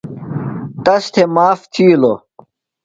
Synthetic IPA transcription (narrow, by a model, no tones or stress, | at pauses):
t̪ɐst̪ʰemaːft̪ʰiːlo